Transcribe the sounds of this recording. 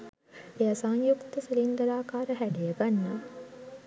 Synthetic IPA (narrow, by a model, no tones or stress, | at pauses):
ejasaŋjukt̪əsilind̪əɾaːkaːɾəɦæɖejəɡanːa